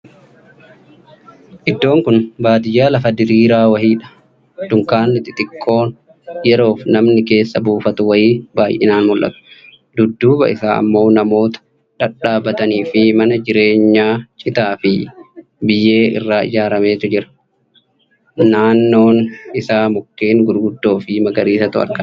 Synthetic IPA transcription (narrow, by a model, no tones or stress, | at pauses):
ʔɪd̪ːo̞ːŋkʊnbaːd̪ɪjaːlɐfɐd̪ɪɾiːɾaːwɐhiːᶑɐ̥ | d̪̥ʊŋkaːnːɪt̪ɪt̪ɪkʼːo̞ːn | jɛɾo̞ːfnɐmnɪke̞ːsːɐbuːfɐt̪ʊwɐiːbaːjʔɪ̰naːnmʊlʔɐ̰t̪ʊ̥ | d̪ʊd̪ːuːbɐ̰ʔɪsaːɐ̰mːo̞ːnɐmo̞ːt̪ɐ̥ | ᶑɐᶑaːbɐt̪ɐniːfɪmɐnɐd͡ʒɪɾe̞ːɲːaːt͡ʃʼɪt̪aːfɪ | bɪjːe̞ːʔɪ̰rːaːɪ̰d͡ʒaːɾɐme̞ːt̪ʊd͡ʒɪɾɐ̥ | naːnːo̞ːnɪsaːmʊkːeːŋɡʊɾɡʊd̪ːo̞ːfɪmɐɡɐɾiːsɐt̪ʊɐ̰ɾkɐ